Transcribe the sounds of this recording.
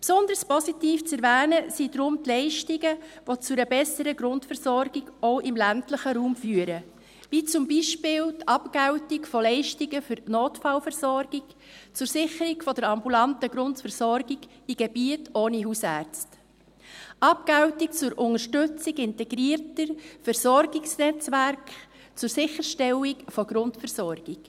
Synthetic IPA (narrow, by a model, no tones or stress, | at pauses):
psʊnd̪ərspɔsitiːft͡sɛɾvæːnəsid̥ɾʊmtlɛɪʃtiɡəʋot͡sʊɾəbɛsəɾəɡɾʊntfɛɾsɔɾɡ̥iɡɔʊʔɪmlæntləχəɾuːmfyːəɾə | ʋiːt͡sʊmbiːʃpɪːltʰɑpɡæwtɪkfɔlɛɪʃtiɡəfʏɾnoːtfɑlfɛɾsɔɾɡ̥ɪk | t͡sʊɾsɪχəɾikfɔd̥əɾɑmbulɑntəɡɾʊntfɛɾsɔɾɡiɡ | iɡ̥ebiətʰoːniɦuːsæːɾt͡st | ʔɑp̚kaʊtik̚t͡sʊɾʔʊŋəʃtʏt͡siɡɪntɛɡɾiːəɾtəɾfɛɾsɔɾɡɪksnɛt͡sʋæɾkχ | t͡sʊɾsɪχəɾʃtɛlikfɔɡɾʊntfɛɾsɔrɡ̥ɪk